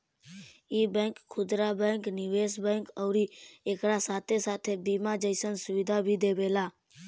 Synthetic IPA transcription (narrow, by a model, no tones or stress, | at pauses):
iːbɛ̃ːŋkʰːʊd̪ɾabɛ̃ŋknɪʋeːsbɛ̃ːŋkəʊɾieːkɾasaːt̪ʰesaːt̪ʰebiːmad͡ʒəɪsənsʊʋɪd̪ʱabʱid̪eːʋeːlaː